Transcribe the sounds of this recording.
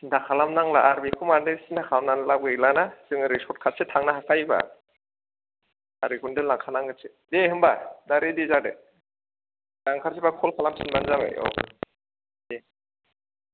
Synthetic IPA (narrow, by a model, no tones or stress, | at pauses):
dakʰalamnaŋlaaɾbikʰumandɯsinakʰawnanlab̚ɡɯilanasɯŋɯɾisʰɔɾt̚kʰat̚setʰaŋnaɦakajba̰ | a̰ɾikʰundɯlaŋkʰanaŋɡɯsʰe | dehɯmbadaɾedizadḛ | daŋkʰaɾsibakʰɔlkʰalamsinbanzabḛjɔ̰ | de